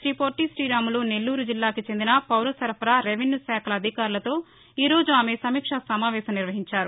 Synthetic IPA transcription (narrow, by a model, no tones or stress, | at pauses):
ʃɾiːpoːɾʈːisɾiːɾaːmuloːne̞lːuːɾud͡ʒilːaːkit͡ʃend̪inɐpɐwɾɐsɐɾpʰɐɾaːɾeʋinjusɛːkʰɐlɐːd̪ʱikaːɾulɐt̪o̞ː | iːɾo̞ːd͡ʒuaːmesɐmiːkʂɐsɐmaːʋɛːsɐmniɾʋɐɦiɲt͡ʃaːɾu